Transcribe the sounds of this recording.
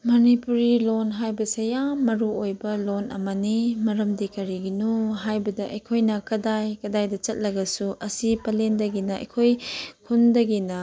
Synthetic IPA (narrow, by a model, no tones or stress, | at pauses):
mɐnipuɾilonɦajbɐsejamɐɾuojbɐlonʔɐ̰mɐnimɐɾɐmdikɐɾiɡinuɦajbɐdɐʔɐjkʰojnɐkɐdajkɐdajdɐt͡ʃɐt̚lɐɡɐsuʔɐsipɐlendɐɡinɐɐ̰jkʰojkʰundɐɡinɐ